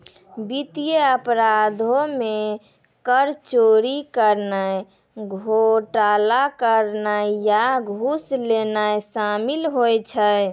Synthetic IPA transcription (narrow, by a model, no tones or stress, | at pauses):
bit̪ijeəpɾad̪ʱome | kəɾt͡ʃoɾikəɾnaj | ɡʱoʈalakəɾnajaɡʱuslenajsamilɦojt͡ʃʰəj